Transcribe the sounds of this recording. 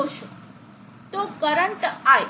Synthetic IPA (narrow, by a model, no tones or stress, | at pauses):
oʃũ | t̪okəɾəɳʈaj